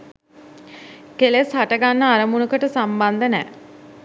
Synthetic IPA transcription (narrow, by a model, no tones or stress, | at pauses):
keleshaʈəɡanːəaɾəmunukəʈəsamband̪ənɛ